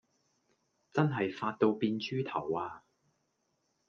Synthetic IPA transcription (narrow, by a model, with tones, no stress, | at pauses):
t͡sɐ˥nɦɐ˨jfaː˧t̚t̪o˧wpiː˧nt͡ʃyː˥t̪ʰɐ˨˩waː˧